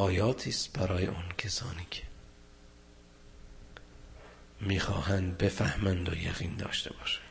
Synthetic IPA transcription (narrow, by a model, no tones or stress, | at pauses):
ɒːjɒːt̪ʰiːst̪bæɾɒːjḛʔuncʰesɒ̰ːniːcʰe̥ | miːxɒːhænd̪̚be̞fæhmænd̪o̰jæ̰ɣiːnd̪ɒ̰ːʃt̪e̞bɒːʃæ̥n